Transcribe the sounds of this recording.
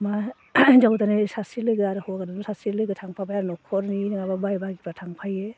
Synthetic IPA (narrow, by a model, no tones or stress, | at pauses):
ma | d͡ʒawtanɯsasiɾlɯɡɯaɾɯhɔɡadanusasiɾlɯɡɯtʰaŋpʰabʰajaɾnɔkʰɔɾninɯŋababajbaɡipatʰaŋpʰaje